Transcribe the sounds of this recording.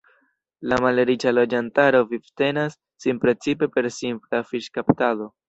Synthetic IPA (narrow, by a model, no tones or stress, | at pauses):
lamaleɾit͡ʃalo̞d͡ʒantaɾo̞vivte̞nasːinpɾe̞t͡sipe̞pe̞ɾsimplafiʃkaptado̞